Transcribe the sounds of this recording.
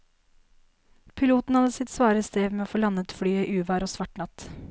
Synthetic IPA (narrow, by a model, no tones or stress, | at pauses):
pʰɪluːt̪n̩hɑd̪əsɪt̪sʋɑːɾəst̪eːʋmeːoːfɔlɑnət̪fɽyːiːʔʉːʋɑːɾoːsʋɑʈɳɑt̪